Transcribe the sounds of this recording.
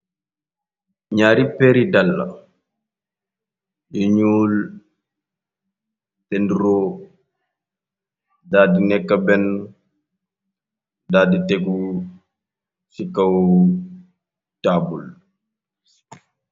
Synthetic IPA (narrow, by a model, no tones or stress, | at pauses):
ɲaːɾipɛɾidalːa̰ | ʔiɲuːl | tendiɾɔ | daːdinɛkːabɛnː | daːditeku | sikːaw | taːbul